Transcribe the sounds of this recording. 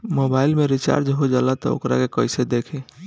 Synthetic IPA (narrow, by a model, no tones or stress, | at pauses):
mobailmeɾit͡ʃa̰ɾd͡ʒɦod͡ʒalat̪ɔ̰o̰kɾa̰kekəjsed̪ekʰe